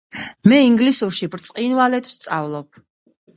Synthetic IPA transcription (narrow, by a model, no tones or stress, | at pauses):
mɛiŋɡlisuɾʃibɾt̪sʼqʼinwalɛt̪ʰw̥st̪sʼavlˠɔp̚ʰ